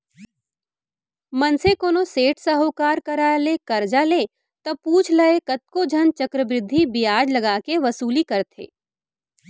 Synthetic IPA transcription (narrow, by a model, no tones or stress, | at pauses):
mɐnsekoːnoseːʈʰsɐɦoːkaːɾkɐɾalekɐɾd͡ʒale | t̪ɐpuːt͡ʃʰlɐekɐt̪̚kod͡ʒʱɐnt͡ʃɐkɾəbɾɪd̪ʱːibɪjaːd͡ʒlɐɡaːkeʋɐsuːlikɐɾt̪ʰḛː